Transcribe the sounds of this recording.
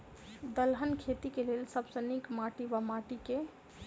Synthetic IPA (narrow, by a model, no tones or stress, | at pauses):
d̪əlɦənkʰet̪ikelelsəbsənikmaʈiʋamaʈike